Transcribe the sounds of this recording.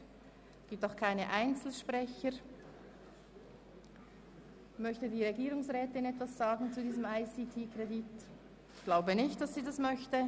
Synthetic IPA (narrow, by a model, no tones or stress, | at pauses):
ɛsɡ̥iːp̚taʊxkʰaɪnəʔaɪnt͡sl̩ʃpʁɛçə | mœçtədiːʁeɡiːʁʊŋsʁɛːtɪnɛtvasz̥aːɡn̩t͡sudiːzəmaɪsiːtʰiːkʁedit | ɪçɡ̥laʊbənɪçt̚d̥asz̥iːdasmœçtə